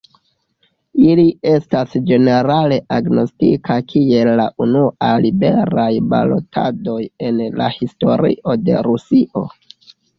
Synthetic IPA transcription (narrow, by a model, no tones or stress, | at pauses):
ilie̞stasd͡ʒe̞ne̞ɾale̞ʔaɡno̞stḭkʰakʰie̞lːaʔunualibe̞ɾajba̰lo̞̰tʰa̰do̞je̞nla̰histo̞ɾḭʔo̞de̞̰ɾusiʔo̞